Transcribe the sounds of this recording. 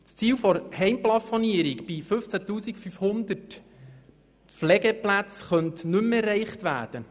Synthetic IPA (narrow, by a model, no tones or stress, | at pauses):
t͡st͡siːwfɔɾhɛɪmplɑfɔniəɾikbifɵft͡sætuːsikfyfhʊnd̪ət | flɛɡəplæt͡sχœntnɵmɛrːɛɪχtʋæ̰ːd̥ə